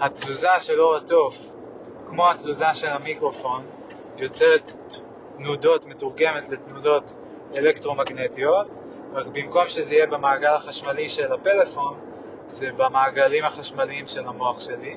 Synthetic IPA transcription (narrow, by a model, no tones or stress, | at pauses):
hat͡suzaʃe̞lo̞ʁato̞f | kmo̞hat͡suzaʃe̞lamikʁo̞fo̞n | jo̞t͡set̪ː | nudo̞tmetuʁɡe̞me̞tletnudo̞t | elekt̪ʁo̞maɡne̞t̪io̞t | ʁakbimko̞mʃezeijebemaːɡalaχaʃmaliʃe̞late̞le̞fo̞n | zebamaːɡalimhaχaʃmaliimʃe̞lamo̞aχʃe̞li